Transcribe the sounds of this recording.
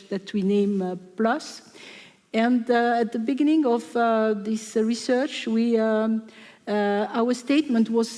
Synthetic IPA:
ðætʰwinẽɪ̃mplʌs | ɛ̃ndæt̪̚ðəbɪɡɪ̃nɪ̃ŋɔvðɪsɹisɜ˞t͡ʃwi | awə˞stetmə̃ntwɔz

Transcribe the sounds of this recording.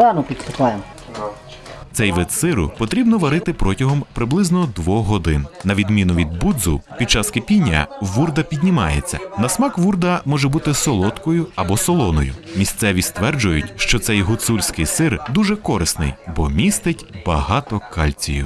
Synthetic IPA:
d̪ɑnɔpʲit̪pɪt̪ajem | t̪sɛjʋɪt̪sɪɾʊ̰pɔt̪ɾʲibnɔʋɐɾɪt̪ɪpɾɔtʲɐɦɔmpɾɪblˠɪznɔd̪ʋɔxɦɔd̪ɪnnɐʋʲid̪mʲinʊʋʲid̪̚bud̪zʊ̰pʲid̪̚t͡ʃɑskepʲinʲːɐ̰ʋurd̪ɐpʲid̪ʲnʲimɑ̰jḛt͡sʲːɐ̰nɐsmɑkʋurd̪ɐmɔʒɛbut̪ɪsɔlˠɔt̪kɔjʊɐbɔsɔlˠɔnɔjʊ̰mʲist̪sɛʋʲist̪ʋɛrd͡ʒʊjʊtʲʃt͡ʃɔt̪sɛjɦʊt̪sulʲsʲkɪjsɪrd̪uʒɛkɔɾɪsnɪ̰jbɔmʲist̪ɪtʲbɐɦɑt̪ɔkɑ̰lʲt͡sʲijʊ̰

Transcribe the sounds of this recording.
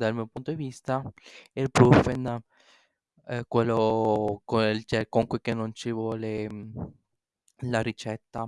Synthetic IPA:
d̪almiopunt̪od̪ivist̪aelpɾufen | kwelːokot͡ʃɛkoŋkwikenːont͡ʃivwɔle | laɾit͡ʃɛt̪ːa

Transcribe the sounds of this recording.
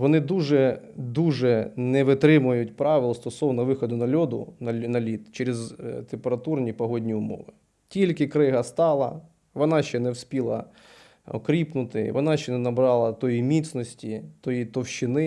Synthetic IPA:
ʋɔnɪd̪uʒɛd̪uʒɛnɛʋɪt̪ɾɪmʊjʊtʲpɾɑʋɪlˠɔst̪ɔsɔwnɔʋɪxɔd̪ʊnɐlʲɔd̪ʊ̰nɐnɐlʲit̪t͡ʃeɾɪzt̪empeɾɐt̪urnʲipɔɦɔdʲnʲiʊmɔ̰ʋɪ | tʲilʲkɪkɾɪɦɐst̪ɑlˠɐ̰ | ʋɔnɑʃt͡ʃɛnɛwsʲpʲilˠɐ̰ | ɔ̰kɾʲipnʊt̪ɪʋɔnɑʃt͡ʃɛnɛnɐbɾɑlˠɐt̪ɔjimʲit̪sʲnɔsʲtʲit̪ɔjit̪ɔwʃɪnɪ

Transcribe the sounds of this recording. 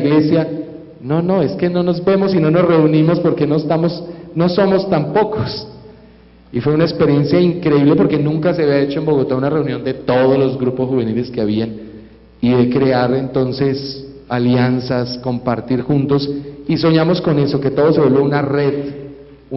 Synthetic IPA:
ɣle̞sja | no̞no̞e̞ske̞no̞no̞zbe̞mo̞sino̞no̞sre̞unimo̞spo̞ɾke̞no̞est̪amosno̞so̞mo̞st̪ampo̞kʰos | ifwe̞unaespe̞ɾje̞nsjaiŋkɾe̞iβle̞poɾke̞nũŋkase̞aβjae̞t͡ʃo̞embo̞ɣo̞t̪aunare̞unjo̞nd̪e̞t̪o̞ð̞ozlo̞zɡɾupo̞sxuβe̞nile̞ske̞aβ̞ian | iðe̞kɾe̞aɾe̞nt̪o̞nse̞s | aljansasko̞mpaɾt̪iɾxunt̪o̞siso̞ɲamosko̞ne̞so̞ke̞t̪o̞ð̞os̬e̞βolbjounare̞ð | u

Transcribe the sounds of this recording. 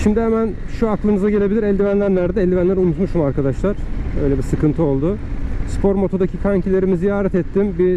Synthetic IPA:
ʃimd̪ihemæn | ʃuaklˠɯnɯzaɟe̞lʲe̞bilʲiɾɛlʲd̪ivænlʲænlʲæɾd̪ɛɛlʲd̪ivænlʲæɾunut̪muʃumaɾkad̪aʃlˠaɾ̥ø̞̰jlʲebisɯkɯnt̪ʰɯo̞lˠd̪ʊspʰo̞ɾmo̞t̪ʰo̞d̪acʰikʰaɲcʰilʲe̞ɾimizijaːɾɛt̪ɛt̪ːimbi

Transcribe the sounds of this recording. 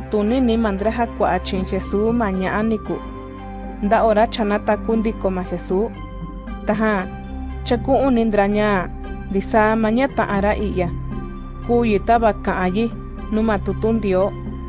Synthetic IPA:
t̪unĩnĩmãnd̪ɾaɦakʷaʔat͡ʃĩxesuːmãɲãʔãnĩkṵ | nd̪aʔoɾat͡ʃanãt̪akund̪ikomãxesuː | t̪aɦã | t͡ʃakũʔũnĩnd̪ɾaɲã | nd̪isaːmãɲãt̪ã̰ʔãɾaʔija | kuːjit̪aβakãʔãji | nũmãt̪ut̪und̪io

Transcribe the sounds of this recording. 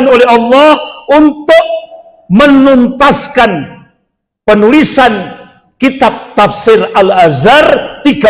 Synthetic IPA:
nolɛhɦɑlːɑhunt̪ʊk̚ | mənunt̪askan | pənulisan | kit̪ab̚t̪afsɪralazart̪iɡa

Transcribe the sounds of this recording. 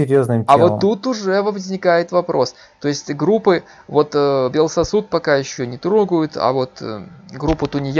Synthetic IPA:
ɪɾʲjoznɨmʲɐvoːut̪ʊʐɛvəvəzʲnʲɪkajɪt̪vɐpɾo̞s | t̪o̞ɪsʲtʲɡɾupːɨ | vo̞t̪ːbʲelˠsɐsut̪̚pɐkajɪɕːonʲɪt̪ɾoɡəjʊt̪ʰɐ̰vo̞t̪ɡɾupːʊt̪ʊnʲɪj

